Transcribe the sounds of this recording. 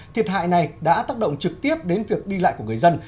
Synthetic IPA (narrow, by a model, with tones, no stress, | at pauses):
t̪ʰi˨˩ət̚ɦa̰ː˧˨jna˨˩jɗa̰ː˧˥t̪aː˦˥k̚ɗə̰˧˨ŋ͡mt͡ɕɨ˨˩k̚t̪i˦˥əp̚ɗe˨˦nvi˨˩ək̚ɗi˧la̰ː˧˨jku˧˩ŋ˨˩əjzə˧n